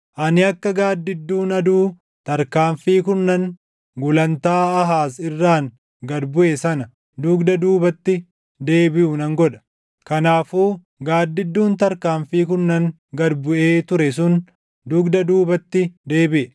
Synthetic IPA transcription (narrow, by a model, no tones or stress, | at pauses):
ʔɐnɪɐkːɐɡaːd̪ːɪd̪ːuːnɐd̪uː | t̪ɐɾkaːɱfiːkʊnːɐŋ | ɡʊlɐnt̪aːɐɦaːsɪrːaːŋ | ɡɐd̪bʊʔesɐnɐ | d̪ʊɡd̪ɐd̪uːbɐt̪ːɪ | d̪e̞ːbɪʔʊnɐŋɡɔᶑɐ̥ | kɐnaːfuː | ɡaːd̪ːɪd̪ːuːnt̪ɐɾkaːɱfiːkʊnːɐŋ | ɡɐd̪bʊʔe̞ːt̪ʊɾɛs̬ʊn | d̪ʊɡd̪ɐd̪uːbɐt̪ːɪd̪e̞ːbɪʔɛ